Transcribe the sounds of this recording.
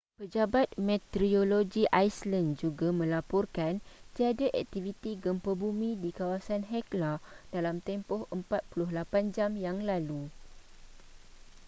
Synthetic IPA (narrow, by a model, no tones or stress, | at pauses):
pəd͡ʒabat̪̚mɛ̃t̪ɾioloɡiʔajslənd͡ʒuɡamə̃lapɔrkant̪iadaʔɛk̚t̪ivit̪iɡəmpəbumĩdikawasanɦɛklad̥alamt̪ɛmpɔhəmpat̪̚pulʊhlapand͡ʒamjaŋlalu